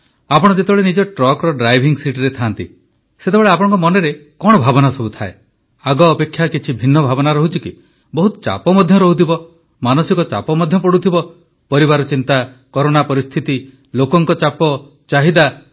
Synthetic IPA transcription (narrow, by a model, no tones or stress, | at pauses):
apɔɽ̃ɔd͡ʒet̪eɔɭenid͡ʒɔʈɾɔkɾɔɖɾajbʱiŋsiʈiɾet̪ʰant̪ḭ | set̪ebeɭeap̬ɔɽ̃ɔ̃ŋkɔmɔneɾekɔɽɔbʱabɔnasɔbut̪ʰae | aɡɔːpekʰːjakit͡ʃʰibʱinːɔbʱabɔnaɾɔɦut͡ʃʰiki | bɔɦut̪ɔ̥t͡ʃa̰pɔmɔd̪ʱjɔɾɔɦut̪ʰibɔ | manɔsikɔt͡ʃa̰pɔmɔd̪ʱjɔpɔɽut̪ʰibɔ | pɔɾibaɾɔt͡ʃint̪a | kɔɾoɽ̃apɔɾist̪ʰit̪i | lokɔŋkɔt͡ʃapɔ | t͡ʃaɦid̪a